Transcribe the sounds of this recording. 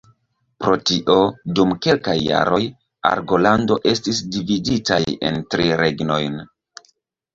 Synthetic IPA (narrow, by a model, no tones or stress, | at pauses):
pɾo̞tiʔo̞dumke̞lkajːa̰ɾʔo̞j | a̰ɾɡo̞lando̞ʔe̞stis̬dividitaje̞̰ntɾiɾe̞ɡno̞jn